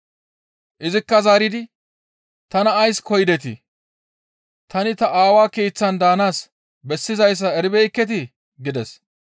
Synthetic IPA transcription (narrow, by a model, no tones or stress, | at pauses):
ʔɪzɪkːɐzaːɾɪd̪ɪ | t̪ɐnɐːjskɔjd̪ɛt̪ɪ̰ | t̪ɐnɪt̪ɐʔaːwaːke̞ːt͡sːɐnd̪aːnaːs | bɛsːɪzɐjs̬ːɐɛɾɪbɛkːɛt̪̬ɪ | ɡɪd̪ɛs